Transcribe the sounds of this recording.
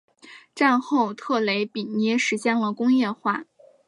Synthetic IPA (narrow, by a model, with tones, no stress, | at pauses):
ʈ͡ʂa˥˧nxo˥˩˧ʊt̪ʰɤ˥˩le˧˥ɪpi˨˩njɛ˧˥ʂɻ̩˧˥ɕjɛ˥˩nlə˩kʊ˥ŋjɛ˥˧xwa̰˥˩